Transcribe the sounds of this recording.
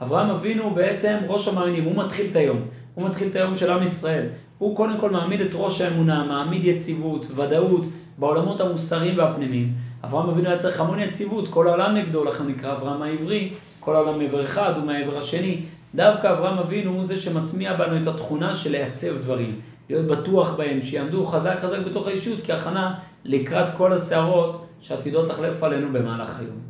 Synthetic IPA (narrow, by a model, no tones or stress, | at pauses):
ʔavʁaamavinube̞e̞t͡se̞mʁo̞ʃamaːnimumatχiletajo̞m | humat̪χilt̪ajo̞mʃe̞lamisʁae̞l | huko̞de̞mko̞lmaːmide̞tʁo̞ʃaemunamaːmid̪jet͡sivutvadaut | beo̞lamo̞thamusaʁimveapnimima̰vʁaamavinujat͡seʁeχamo̞njet͡sivutko̞lao̞lamneɡd̪o̞laχnunikʁaːvʁaamaivʁi | ko̞laolamːeveʁeχadumeaeveʁhaʃe̞ni | d̪avkaːvʁaamavinuzeʃe̞matmiabanue̞tatχunaʃe̞lejat͡se̞vdvaʁim | lijo̞t̚batuaχbae̞mʃejaːmd̪uχazakχazakbe̞to̞χaiʃutkiaχana | likʁatko̞laseaʁo̞tʃeat̪ido̞t̪laχle̞fale̞nube̞maːla̰χa̰jo̞̰m